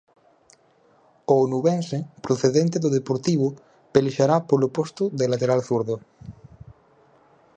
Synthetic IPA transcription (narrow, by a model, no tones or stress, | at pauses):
oonuβensepɾoθeðent̪eðoðepoɾt̪iβu | peliʃaɾapolopost̪uðelat̪eɾalθuɾðo